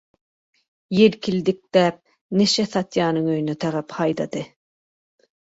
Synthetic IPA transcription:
jelkʲʰild̪ɪk̚d̪̥ɛp̚ | neʃɛθɑt̪ʰjɑːnɨŋøjynɛt̪ʰɑɾɑphɑjd̪ɑd̪ɨ

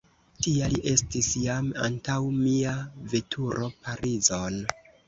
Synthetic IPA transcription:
tialiʔe̞stisjama̰ntawmiave̞tʰuɾʔo̞paɾizon

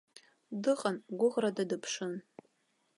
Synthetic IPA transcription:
dɨqʼanɡʷʊʁradadɨpʰʂɨn

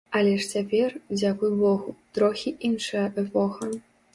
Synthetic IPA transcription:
ɐlʲɛʂt͡sʲapʲɛrd͡zʲakujbɔɣut̪ɾɔxʲiʔinʂɨjɐʔɛpɔxɐ

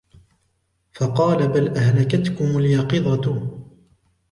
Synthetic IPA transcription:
fɑqɑːlabalʔahlakat̪kʊmaljɑqɨd̪ˤɑ

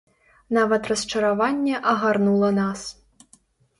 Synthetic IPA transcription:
navɐt̪rɐst͡ʂɐɾavanʲːɛʔɐɣarnulˠɐnas

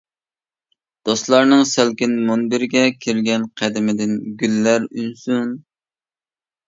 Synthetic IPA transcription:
d̪̥oslˠɑɾnɨŋsælkʲɪnmonbɪɾɪɡʲɛkʲʰiɾɡʲɛnqʰæd̪ɪmɪd̪ɪnɡʲylːæɾynsun

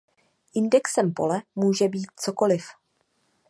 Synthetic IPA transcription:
ʔɪndɛksɛmpo̞lɛmuːʒɛbiːt̪̚t͡so̞ko̞lɪf

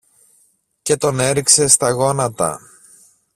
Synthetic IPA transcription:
ce̞t̪o̞ne̞ɾikse̞st̪ɐɣo̞nɐt̪ɐ̰

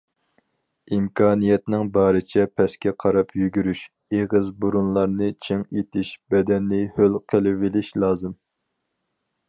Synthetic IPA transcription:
imkʰɑːnijɛt̪nɪŋbɑːɾɪt͡ʃʰɛpʰɛskʲɛqʰɑɾɑpʰjyɡʲyɾyʃ | eʁɨzbuɾunlˠɑɾnɨt͡ʃʰɪŋet̪ʰɪʃb̥ɛd̪ɛnːɪhølqʰəlˠɪvɪlɪʃlˠɑːzɨm

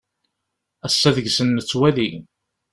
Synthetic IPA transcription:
æsːæðəʝsənːət͡sːwæði

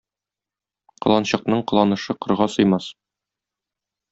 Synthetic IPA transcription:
qɤ̆lˠɑnɕɤ̆qnɤɴqɤ̆lˠɑnɤ̆ʃɤqɤ̆ɾʁɑsɤ̆jmɑs

